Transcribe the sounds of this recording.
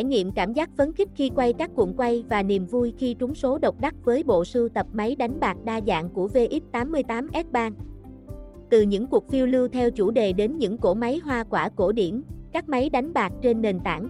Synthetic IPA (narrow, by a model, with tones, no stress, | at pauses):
jŋḭ˧˨əmkaː˧˩mzaː˦˥k̚fə˨˦nxi˦˥k̟̚xi˧kwa˧jkaː˦˥kːṵ˧˨nkwa˧jvaː˨˩ni˨˩əmvu˧jxi˧t͡ɕʊ˨˦ŋ͡mso˨˦ɗə˨˩wk͡p̚ɗa˦˥k̚vəː˨˦jɓo̰˧˨sɨ˧t̪ə˨˩p̚ma˨˦jɗa˨˦jŋ̟ɓaː˨˩t̚ɗaː˧za̰ː˧˨ŋku˧˩əve˧ʔi˦˥t̚t̪aː˨˦mːɨ˧əjt̪aː˨˦mʔɛ˦˥t̚ɓaː˧n | t̪ɨ˨˩ɲɨ̰˧˥ŋku˨˩ək̚fi˧əwlɨ˧əwt̪ʰɛ˧wt͡ɕu˧˩ɗe˨˩ɗe˨˦nɲɨ̰˧˥ŋko˧˩ma˨˦jɦwaː˧kwaː˧˩ko˧˩ɗi˧˩əmkaː˦˥k̚ma˨˦jɗa˨˦jŋ̟ɓaː˨˩t̚t͡ɕe˧nːe˨˩nt̪a̰ː˧˩ŋ